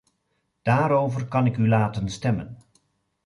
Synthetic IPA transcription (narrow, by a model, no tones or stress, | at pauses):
d̥aːɾowvərkɑnɪkylaːtənstɛmə̰n